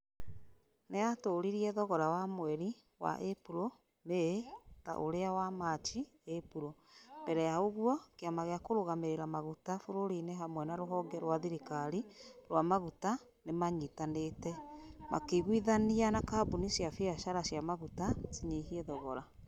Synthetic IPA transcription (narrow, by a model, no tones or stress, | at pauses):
neatoːɾiɾiɛðɔɣɔɾawamwɛɾi | wa̰ʔepuɾo | meta̰ʔoɾeawamat͡ʃi | epuɾomb̥ɛɾɛjaoɣwɔkeamaɣeakoɾoɣameɾeɾamaɣutafoɾoɾineɦamwɛnaɾoɦɔɡɛɾwaðiɾikaɾiɾwamaɣuta | nemaɲitanetɛma̰keɣwiðanianakaːbunisjafiaʃaɾasjamaɣutasiɲihiɛðɔɣɔɾa